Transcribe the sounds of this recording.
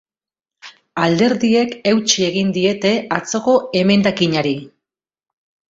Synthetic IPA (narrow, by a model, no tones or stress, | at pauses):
ald̪e̞ɾðie̞ke̞wt͡ʃie̞ɣ̞ind̪ie̞t̪e̞at͡so̞ko̞e̞me̞nd̪akiɲaɾi